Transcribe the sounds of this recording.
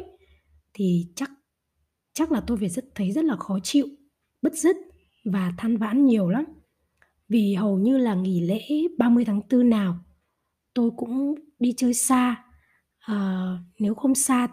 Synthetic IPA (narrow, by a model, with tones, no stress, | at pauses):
t̪ʰi˨˩t͡ɕa˦˥k̚ | t͡ɕa˦˥k̚laː˨˩t̪o˧jvaː˨˩jzə˦˥tt̪ʰə˨˦jzə˦˥t̚laː˨˩xɔ˨˦t͡ɕḭ˧˨w | ɓə˦˥t̚zɨ˦˥t̚ | vaː˨˩t̪ʰaː˧nva̰ː˧˥nɲi˨˩əwla˨˦m | vi˨˩ɦə˨˩wɲɨ˧laː˨˩ŋi˧˩lḛ˧˥ɓaː˧mɨ˧əjt̪ʰaː˨˦ŋt̪ɨ˧naː˨˩w | t̪o˧jkʊ̰˧˥ŋ͡mɗi˧t͡ɕəː˧jsaː˧ | ʔəː˨˩ne˨˦wxə˧wŋ͡msaː˧